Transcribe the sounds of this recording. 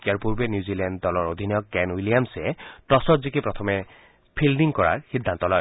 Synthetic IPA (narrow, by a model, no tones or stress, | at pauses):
ijaɹpuɹbɛnjuzilɛnddɔlɔɹod̪ʱinɔjɔkːɛnwilijamsɛtɔsɔtzikipɹɔt̪ʰɔmɛ | pʰildiŋkɔɹa̰ɹxid̪ʱːant̪ɔlɔ̰j